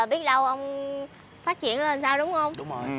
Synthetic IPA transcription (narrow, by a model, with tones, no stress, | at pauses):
ɓi˦˥ət̚ɗə˧wʔə˧wŋ͡m | faː˦˥t̚t͡ɕḭ˧˨ənlə˨˩nsaː˧wɗʊ˨˦ŋ͡mhə˧wŋ͡mɗʊ˨˦ŋ͡m